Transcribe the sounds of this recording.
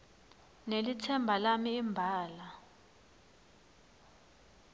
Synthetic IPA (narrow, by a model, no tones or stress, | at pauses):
nelit͡sʰɛmbʱalamiːmbʱaːla